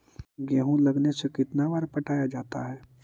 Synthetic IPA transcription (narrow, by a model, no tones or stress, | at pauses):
ɡɛ̃ːɦũlɐɡnesekɪt̪nabaːɾpɐʈʰaːjad͡ʒaːt̪a̰ɦɛː